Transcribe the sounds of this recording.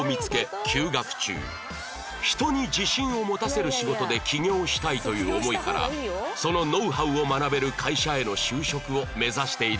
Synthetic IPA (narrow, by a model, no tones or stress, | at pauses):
mʲit͡sɨ̥ke̞kʲʰɨːɡakɯ̟̥t͡ɕɨ̰ː | çi̥t̪o̞ɲ̟id͡ʑiɕĩɰ̃o̞mo̞t̪ase̞ɾɯ̟ɕiɡo̞t̪o̞d̪e̞kʲiɲʲo̞ːɕi̥t̪ait̪o̞jɯ̟ːo̞mo̞ikaɾa̰so̞no̞no̞ɯɦaɯ̟o̞manabe̞ɾɯ̟kʰaiɕae̞no̞ɕɨːɕo̞kɯ̟o̞me̞zaɕi̥t̪e̞i